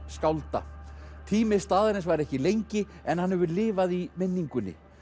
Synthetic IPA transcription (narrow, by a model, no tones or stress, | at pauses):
skawlt̪a̰t̪ʰiːmɪst̪aːðaɾɪnsvaɾɛhcɪlejɲcɪɛnhanhɛvʏlɪːvaðimɪnːiŋkʏnːɪ̰